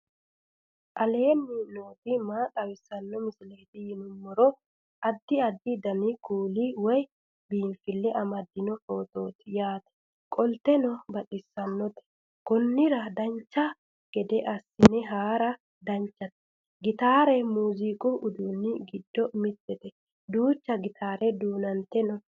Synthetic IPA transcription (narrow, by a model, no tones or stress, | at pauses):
ʔɐleːnːɪnoːt̪ɪmaːt̪ʼɐwɪsːɐnːɔmɪsɪleːt̪ɪjɪnʊmːɔɾɔ | ʔɐd̪ːɪɐd̪ːɪd̪ɐnɪkuːliwɔj | biːnfɪlːɛʔɐmɐd̪ːɪnɔfo̞ːt̪o̞ːt̪ɪjaːt̪ɛ̥ | kʼɔlt̪ːɛnɔbɐɗɪsːɐnːɔt̪ɛ̥ | kɔnːɪɾɐd̪ɐnt͡ʃːɐ | ɡ̥ɛd̪ɛʔɐsːɪnːɛɦaːɾɐ | d̪ɐnt͡ʃːɐt̪ɛ̥ | ɡɪt̪aːɾɛmuːzikʼʊʔʊd̪uːnːɪɡɪd̪ːɔmɪt̪ːɛt̪ɛ | d̪uːt͡ʃːɐɡɪt̪ʰaːɾɛd̪uːnɐnt̪ːɛnɔ